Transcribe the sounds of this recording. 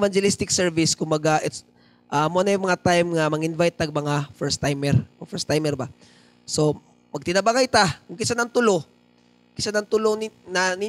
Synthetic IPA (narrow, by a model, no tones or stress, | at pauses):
vand͡ʒɛlist̪ɪk̚sɛɹvɪskʊmbɐɡaʔɛt̪s | ʔamoanɐjmɐŋat̪ajmŋɐmɐŋɪnvajt̪̚ːɐɡ̚mɐŋafɛɾst̪ːajmɛɾfɛɾst̪ajmɛɾba | so̞ | mɐɡ̚t̪ɪnɐbakajt̪akʊŋkɪsanɐŋt̪ʊlo | kɪsanɐŋt̪ʊlonnɐni